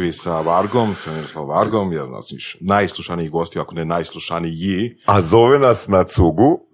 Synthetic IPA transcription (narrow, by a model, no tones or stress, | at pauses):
ʋisaʋaɾɡomsemiɾoslˠaʋaɾɡomjana̰siiʃnajslˠuʃaniiɡost̪ijuakonenaːjslˠuʃaniiazo̞ʋenasnat̪suɡu